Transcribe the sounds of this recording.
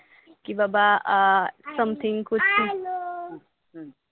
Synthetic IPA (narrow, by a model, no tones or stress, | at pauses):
kibaba | sʌ̃mt̪ʰɪ̃ŋkudt̪ʰi